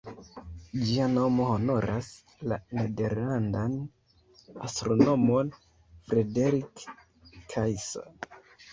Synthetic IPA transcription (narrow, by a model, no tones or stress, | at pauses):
d͡ʒiano̞mo̞ho̞no̞ɾʔas | lanede̞ɾlandan | astɾono̞mon | fɾedeɾikʰː | ajso̰n